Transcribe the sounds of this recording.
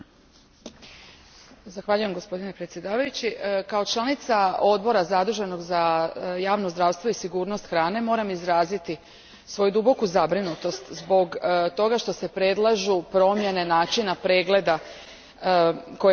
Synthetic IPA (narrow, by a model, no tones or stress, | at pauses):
zaxʋaʎuje̞mɡo̞spo̞d̪ine̞pɾet̪sje̞d̪aːʋajut͡ɕikao̞t͡ʃlˠanit̪sao̞d̪bo̞ɾazad̪ɾuʒe̞no̞ɡzajaːʋnozd̪ɾaːʋst̪ʋo̞isiɡuːɾno̞st̪xɾaːne̞mo̞ːɾamizɾaːzit̪i | sʋo̞jud̪ubo̞kuzabɾinut̪o̞st̪zbo̞ɡt̪o̞ɡaʃt̪o̞se̞pɾe̞d̪lˠaʒupɾo̞mje̞nenaːt͡ʃinapɾe̞ːɡle̞d̪a | ko